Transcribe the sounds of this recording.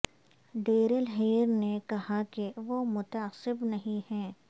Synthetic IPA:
ɖeːɾəlɦeːɾnekɐɦakeʋoːmʊt̪ɐəsɪbnɐɦĩhɛ̃ː

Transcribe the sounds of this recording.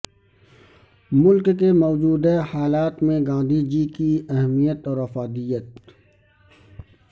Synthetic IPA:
mʊlkkemɔːd͡ʒuːd̪ehaːlaːt̪mẽɡãːnd̪ʱid͡ʒikiɛɦmijət̪ɔːɾɐfaːd̪ijət̪̚

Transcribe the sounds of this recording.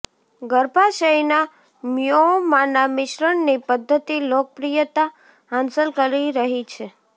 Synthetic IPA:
ɡəɾpaʃəjna | mjomanamɪʃɾəɳnipəd̪ʱːət̪ilok̚əpɾijət̪a | ansəlkəɾiɾəɦit͡ʃʰe

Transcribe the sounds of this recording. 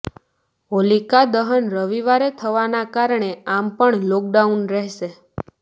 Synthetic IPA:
olikad̪əɦənɾəʋiʋaɾet̪ʰəʋanakaɾɳeampəɳlɔk̚ɖaunɾɛɦʃe

